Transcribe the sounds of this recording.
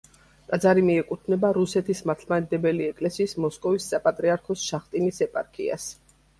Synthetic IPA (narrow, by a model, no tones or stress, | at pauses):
t̪ʼad̪zaɾimiɛkʼut̪ʰnɛbaɾusɛt̪ʰismaɾt̪ʰlmanɛd̪ɛbɛliɛkʼlɛsiːsmɔskʼɔvisːapʼat̪ʼɾiaɾkʰɔsʃaχt̪ʼinisɛpʼaɾkʰḭa̰s